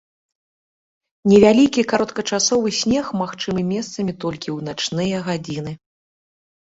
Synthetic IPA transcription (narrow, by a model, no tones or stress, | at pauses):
nʲɛvʲalʲikʲikaɾɔt̪kɐt͡ʂasɔvɨsʲnʲɛxmaxt͡ʂɨmɨmʲɛst̪sɐmʲit̪ɔlʲkʲiwnat͡ʂnɨjɐɣad͡zʲinɨ